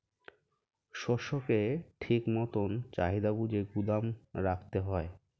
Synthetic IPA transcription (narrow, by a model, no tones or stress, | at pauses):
ʃɔʃokeʈʰikmɔt̪ont͡ɕaɦid̪abud͡ʑeɡud̪amɾakʰt̪eɦɔe